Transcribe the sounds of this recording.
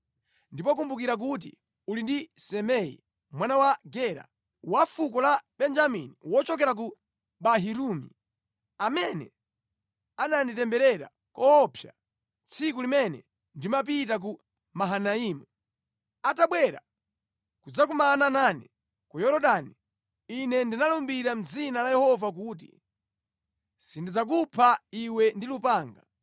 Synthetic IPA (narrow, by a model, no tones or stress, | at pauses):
ndipɔk̬umbukiɾak̬ut̬ḭ | ulindisɛmɛḭ | mwanawaɡɛɾa̰ | wafukɔlaɓɛnd͡ʒaminiwɔt͡ʃɔk̬ɛɾak̬u | ɓaɦiɾumḭ | amɛnɛ̰ | ananitɛmbɛɾɛɾa̰ | kɔːpʰja̰ | t͡sʰikulimɛnɛ̰ | ndimap̬itak̬u | maɦanaiːmu | ataɓwɛɾa̰ | kud͡zak̬umananani | kujɔɾɔɗani | inɛndinalɔmbiɾam̩d͡zinalajɛhɔvak̬uːt̬ḭ | sindid͡zak̬upʰaiwɛndilupaːŋɡa